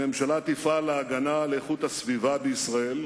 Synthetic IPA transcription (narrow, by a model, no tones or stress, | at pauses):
e̞mʃalat̪ifaleːɡanaleeχut̪hasvivabeisʁae̞l